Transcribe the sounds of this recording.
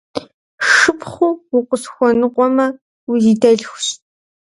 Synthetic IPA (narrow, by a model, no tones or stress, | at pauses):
ʂɨpʰχʷuʊqʷʼʊsxʷɔnɨqʷʼɔmɐ | ujidɐɮxʷɕ